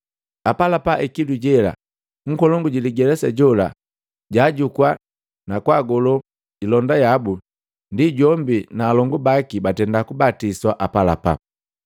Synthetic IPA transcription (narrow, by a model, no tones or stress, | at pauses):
apalapaʔɛkiduɟɛla̰ | ŋ̩kɔlɔŋɡuɟiliɡɛlɛsaɟɔla̰ | ɟaːɟukwa | nakwaːɡɔlɔ | ɟilɔndajabu | ndiɟɔmbinaːlɔŋɡubakibatɛndakubatiswaʔapala̰pa̰